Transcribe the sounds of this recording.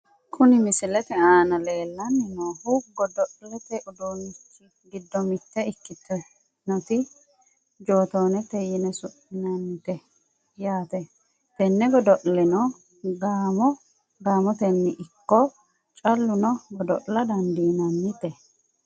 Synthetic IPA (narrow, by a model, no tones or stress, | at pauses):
kʰʊnɪmɪsɪlɛt̪ɛaːnɐleːlːɐnːɪnoːhʊɡɔd̪ɔʔlɛt̪ɛʔʊd̪oːnɪt͡ʃːɪ | ɡɪd̪ːɔmɪt̪ːɛɪkːɪt̪ːɔ | nɔt̪ɪ | d͡ʒoːt̪oːnɛt̪ːɛjɪnɛsʊʔɪnɐnːɪt̪ɛ | jaːt̪ɛ | t̪ɛnːɛɡɔd̪ɔʔlɪnɔ | ɡaːmɔ | ɡaːmɔt̪ɛnːɪʔɪkːɔ | t͡ʃʼɐlːʊnɔɡɔd̪ɔ̰ʔlɐd̪ɐnd̪iːnɐnːɪt̪ɛ